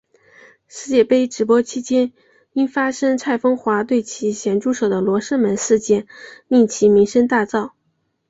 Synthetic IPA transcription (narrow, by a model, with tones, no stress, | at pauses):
ʂɻ̩˥˧t͡ɕjɛ˥˧pe˥ɪʈ͡ʂɻ̩˧˥p̬wɔ˥t͡ɕʰi˥t͡ɕjɛ˥n | i˥nfa˥ʂɤ˥ŋt͡sʰa˥˩ɪfɤ˥ŋxwa˧˥t̪we˥˩ɪt͡ɕʰi˧˥ɕjɛ˧˥nʈ͡ʂu˥˩ʂɤ˨˩ʊd̪ə˦lwɔ˧˥ʂə˥mə˧˥nʂɻ̩˥˧t͡ɕjɛ˥˩mi˥˩nt͡ɕʰi˧˥mi˧˥ŋʂə˥ŋt̪a˥˧t͡sɑ˥˩ʊ